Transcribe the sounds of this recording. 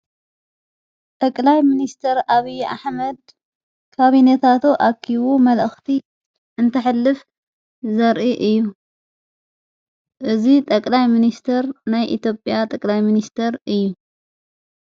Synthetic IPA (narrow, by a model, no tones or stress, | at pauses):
t̪ʼɐkʼlajminist̪ʰɐɾaβijʔa̰ħmɐd̪ | kʰaβinɐt̪ʰat̪ʰoʔakʰːiβumɐlʔɨxt̪ʰi | ʔɨnt̪ʰɐħɨlːɨf | zɐɾʔiʔɨjːu | ʔɨzit̪ʼɐkʼlajminist̪ʰɐɾnajʔḭt̪ʰjo̞pʼjat̪ʼɐkʼlajminist̪ʰɐɾɨjːu